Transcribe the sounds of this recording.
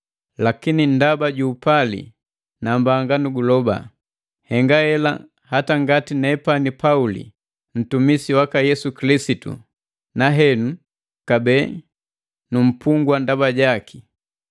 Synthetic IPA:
lakinindabaɟuːpalḭ | nambaŋɡanuɡulɔba̰ | hɛŋɡahɛla̰ | hataŋɡatinɛpanipaulḭ | m̩tumisiwakajɛsukilisitṵ | naɦɛnu | kabɛː | num̩puŋɡwandabaɟaki

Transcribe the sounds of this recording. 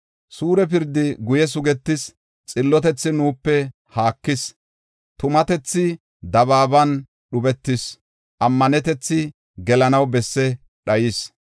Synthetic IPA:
suːɾɛpɪɾd̪ɪɡʊjɛs̬ʊɡɛt̪ːɪs | t͡sʼɪlːɔt̪ɛt͡sːɪnuːpːɛ | haːkːɪs | t̪ʊmɐt̪ɛt͡sːɪ | d̪ɐβaːbɐn | ɗʊbɛt̪ːɪs | ʔɐmːɐnɛt̪ɛt͡sːɪ | ɡɛlɐnɐwbɛsːɛ | ɗɐjɪs

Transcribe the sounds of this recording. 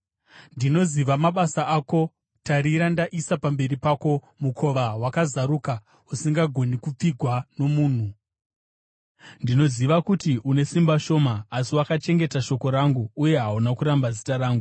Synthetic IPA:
ndino̞ziʋamaɓasaʔako̞ | taɾiɾandaʔisapambe̞ɾipako̞ | mukʰo̞ʋawakazaɾuka | usiŋɡaɡʱo̞nikup͡fiɡʱwano̞muːn̤u | ndino̞ziʋakutiʔune̞simbaʃo̞ːmaːsiwakat͡ʃe̞ŋɡe̞taʃo̞ko̞ɾaŋɡuːje̞ɦaunakuɾambazitaɾaːŋɡu

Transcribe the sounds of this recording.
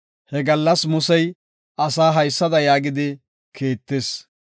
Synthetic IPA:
hɛɡɐlːɐsmʊsɛj | ɐsaːɦɐjsːɐd̪ɐjaːɡɪd̪ɪ | kʰeːt̪ːeːs

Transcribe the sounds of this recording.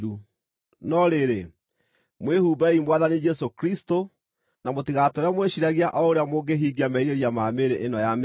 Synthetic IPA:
u | nɔɾeɾe | mwehuːbaimwaðanid͡ʒɛsokɾisto | namotiɣatɔɾeamweɕiɾaɣiaʔɔoɾeamoɡeɦiːɡiamɛiɾeɾiamameɾeʔenɔjam

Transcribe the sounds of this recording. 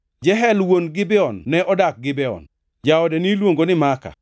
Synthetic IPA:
d͡ʒɛɦɛlwonɡɪbɛɔnːɛʔɔdak̚ɡɪbɛɔ̰n | d͡ʒaɔdɛnilwoŋɡonɪmaka̰

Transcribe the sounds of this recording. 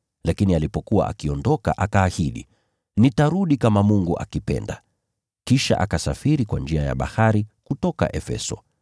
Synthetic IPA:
lakinialipɔkuwa̰ʔa̰kiɔndɔka̰ʔakaːhiɗḭ | nitaɾuɗikamamuŋɡuʔa̰kipɛ̰nda | kiʃa̰ʔakasafiɾikwand͡ʒiaja̰ɓa̰haɾikutɔka̰ʔɛfɛ̰sɔ

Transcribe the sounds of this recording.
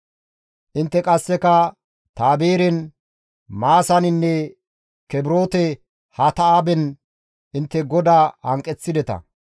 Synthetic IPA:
ʔɪnt̪ːɛkʼɐsːɛkɐ | t̪aːbeːɾɛn | maːsɐnɪnːɛ | kɛbɾo̞ːt̪ɛ | hɐt̪ɐaːbɛn | ʔɪnt̪ːɛɡɔd̪aːhɐŋkʼɛt͡sːɪd̪ɛt̪ɐ̰

